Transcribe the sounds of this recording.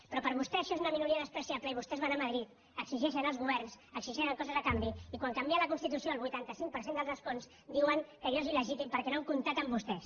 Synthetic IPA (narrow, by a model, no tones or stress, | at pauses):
pɾɔpəɾβust̪ɛəʃɔezunəminuɾiəðəspɾəsiapləiβ̞ust̪ɛzβanaməðɾit̪ | əksiʒɛʃ̬ənəlˠzɣuβɛɾns | əksiʒɛʃəŋkɔzəzəkambiikwaŋkambiaələkunst̪it̪usioəlˠβujt̪ant̪əsiŋk̚pəɾsend̪əlˠzðəskons | d̪iwəŋkəʎɔziləʒit̪impəɾkɛnauŋkunt̪ak̚t̪əmbust̪ɛs